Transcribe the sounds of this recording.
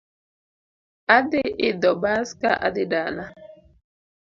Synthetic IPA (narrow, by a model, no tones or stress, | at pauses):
adɪʔɪdɔbaska̰ʔa̰dɪdaːna